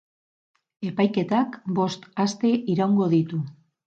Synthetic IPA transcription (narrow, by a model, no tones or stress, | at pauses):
e̞pajke̞t̪akbo̞st̪ast̪e̞ʔiɾawŋɡo̞ðit̪u